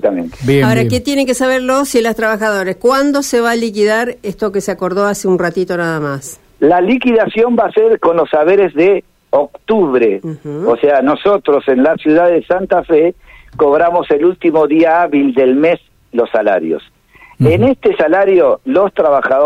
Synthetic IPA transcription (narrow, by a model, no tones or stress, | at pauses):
t̪amẽnt̪e̥bjaoɾakket̪je̞neŋkesaβ̞eɾlosilost̪ɾaβaxaðo̞ɾeskwand̪o̞seβalikiðaɾest̪o̞keseako̞ɾðo̞aseunrat̪it̪o̞naðamas | lalikiðasjo̞mbaseɾko̞nlo̞sːaβe̞ɾezðe | ok̚t̪uβɾeoseano̞so̞t̪ɾo̞se̞nlasjuðaðesant̪afeko̞βɾamo̞se̞lult̪imo̞ðiaaβild̪elmes | lo̞sːala̰ɾjo̰s | enest̪esalaɾjo̞lo̞st̪ɾaβaxao